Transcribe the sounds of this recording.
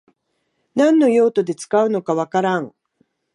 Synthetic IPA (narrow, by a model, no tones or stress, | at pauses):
nãnːo̞jo̞ːt̪o̞d̪e̞t͡sɨ̥kaɯ̟no̞kaβakaɾãŋ